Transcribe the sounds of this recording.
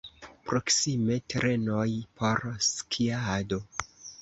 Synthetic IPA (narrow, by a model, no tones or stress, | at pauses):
pɾo̞ksime̞tɾe̞no̞jpʰo̞ɾskʰiado̞